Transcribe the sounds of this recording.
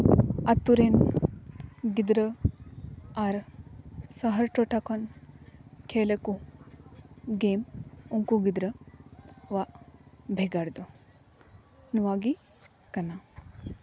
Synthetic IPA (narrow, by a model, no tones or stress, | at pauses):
ɐt̪ːuɾen | ɡid̪ɾə | aɾ | saɦɐɾʈoʈakon | kʰeːleku | ɡeːmuŋkuɡid̪ɾə | ʋaʔbʱeɡaɾd̪u | nuʋaːɡi | kɐna